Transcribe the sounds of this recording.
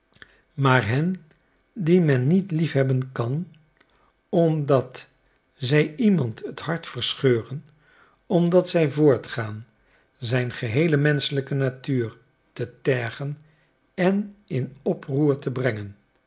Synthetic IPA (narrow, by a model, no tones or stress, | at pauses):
maːɹɦɛn | dimɛnːitlifɦɛbənkɑn | ɔmdɑt | zɛjimɑntəthɑɹtfəɹsχøːrən | ɔmdɑtsɛjvʊːɹtχaːn | zɛjnχəɦejləmɛnsələkənatyːɹ | tətɛɹχən | ɛnɪnɔpruːɹtəbrɛŋən